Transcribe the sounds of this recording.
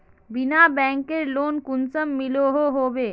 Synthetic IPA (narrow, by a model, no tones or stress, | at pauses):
bɪnabɛ̃ːŋkeɾloːnkʊnsəmːɪloɦoɦoːbeː